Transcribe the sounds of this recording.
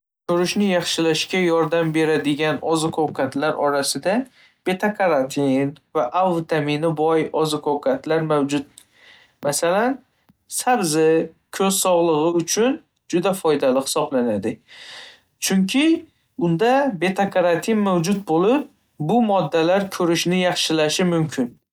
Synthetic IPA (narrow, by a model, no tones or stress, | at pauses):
kʰɵɾɪʃnɪjɑχʃɪlaʃkʲajɒɾd̪ambe̞ɾad̪ɪɡʲanɒzɪkʰowkʰat̪ʰlaɾɒɾasɪd̪a | b̥e̞t̪ʰakʰaɾant̪ʰinvaʔawvt̪ʰamɪnɪbɒjɒzɪkʰowkʰat̪ʰlaɾmawd͡ʒʊt̪̚ | masalan | sabzɪ | kʰɵzsɒʁlˠɨʁɪʊt͡ʃʰʊn | d͡ʒʊd̪afɒjd̪alɪχɪ̥sɒblanad̪ɪ | t͡ʃʰʊŋkʲʰɪ | ʊnd̪abe̞t̪ʰakʰaɾant̪ʰinmawd͡ʒʊt̪̚bolɪp̚ | bʊmɒd̪ːalaɾkʰɵɾɪʃnɪjɑχʃɪlaʃɪmʊmkʲʰɪn